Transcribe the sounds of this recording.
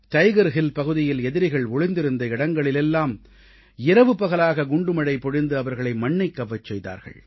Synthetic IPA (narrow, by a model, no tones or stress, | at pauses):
ʈɐɪɣɐɾɣɪlpɐɣɯðɪjɪlɛðɪɾɪɣɐɭɔɭɪnd̪ɪɾɯnd̪ɐɪɽɐŋɡɐɭɪlɛlːaːm | ɪɾɐʋɯpɐɣɐlaːɣɐɡʊɳɖɯmɐɽɐɪpɔɽɪnd̪ɯɐʋɐɾɣɐɭɐɪmɐɳːɐɪkːɐʋːɐt͡ʃːɛjða̰ːɾɣɐ̰ɭ